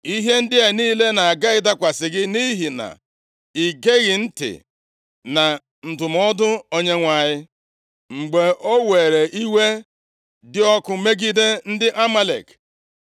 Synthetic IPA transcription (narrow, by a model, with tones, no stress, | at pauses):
i˦ɦe˦n̩˦dɪ˦e˨niː˦le˦na˨a˨ɡa˦ɪ˦ta˦kʷa˨sɪ˨ɡɪ˦ni˦ɦi˨na̰˨ | i˨ɡe˦ɣɪ˨n̩˦tɪ̰˨ | na˨ | n̩˨tʊ˨m˦ɔ˦dʊ˦o˦ɲe˦ŋʷa˨ɲɪ˦ | ŋ͡m̩˨ɡ͡be˨ʔo˦we˨ɾe˨ʔi˦we˦ | dɪ˦ɔ˦kʊ˨me˦ɡi˦de˦n̩˦dɪ˦ʔa˦ma˦lḛ˨k